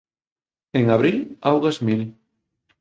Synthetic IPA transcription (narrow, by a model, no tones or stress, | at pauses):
eŋaβɾilawɣazmil